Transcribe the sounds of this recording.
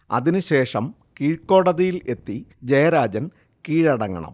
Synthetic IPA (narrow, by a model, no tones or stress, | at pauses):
ɐ̰ðinɨɕe̞ːʂɐm | kiːɻkːo̞ːɽɐðɐjile̞t̪ːid͡ʑɐjɐɾaːd͡ʑɐn | kiːɻɐɽɐŋːɐ̰ɳɐ̰m